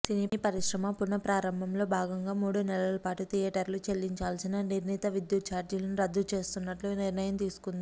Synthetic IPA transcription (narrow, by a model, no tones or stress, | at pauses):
sinipɐɾiʃɾɐmɐpunːɐpɾaːɾɐmbʱɐmlo̞ːbʱaːɡɐŋɡaːmuːɽunɛlɐlɐpaːʈut̪ijɛːʈɐɾlut͡ʃe̞lːiɲt͡ʃaːlsinɐniɾnit̪ɐʋid̪jut̪̚t͡ʃaːɾd͡ʒilɐniɾɐd̪ːut͡ʃe̞ːst̪unːɐʈluniɾnɐjɐmt̪iːsu̥kund̪i